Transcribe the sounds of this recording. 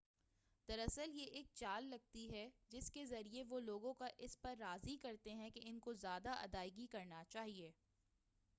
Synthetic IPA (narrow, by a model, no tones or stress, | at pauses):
d̪̥ɐɾɐsəljeʔeːk̚t͡ʃaːlːɐɡ̚t̪iɦɛd͡ʒɪskezɐɾieʋoloːɡõkaʔɪspɐɾːaːzikɐɾt̪eɦɛ̃keɪnkozjaːd̪aʔɐ̰d̪aːɪɡikɐɾnat͡ʃaːɦieː